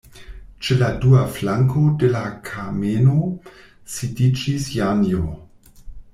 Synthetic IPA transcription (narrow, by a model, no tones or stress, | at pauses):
t͡ʃeladuaflaŋkʰodelakʰameno | sidid͡ʒisjanjo